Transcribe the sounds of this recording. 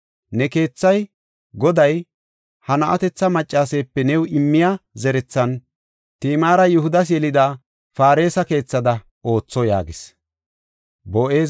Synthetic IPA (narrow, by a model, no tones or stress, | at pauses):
nɛke̞ːt͡sːɐj | ɡɔd̪ɐj | hɐnɐʔɐt̪ɛt͡sːɐmɐt͡ʃʼːaːseːpːɛnɛwɪmːɪjazɛɾɛt͡sːɐn | t̪iːmaːɾɐjʊɦʊd̪ɐs̬jɛlɪd̪a | faːɾe̞ːsɐke̞ːt͡sːɐd̪ɐ | o̞ːt͡sːɔja̰ːɡɪs | boːʔe̞ː